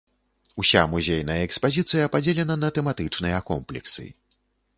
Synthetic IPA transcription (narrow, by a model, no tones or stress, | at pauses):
usʲamuzʲejnɐjɐɛkspazʲit̪sɨjɐpad͡zʲelʲɛnɐnɐt̪ɛmat̪ɨt͡ʂnɨjɐkɔmplʲɛ̰ksɨ̰